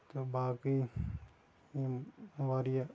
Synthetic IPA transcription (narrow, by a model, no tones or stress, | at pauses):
t̪obaːki | ʋaɾija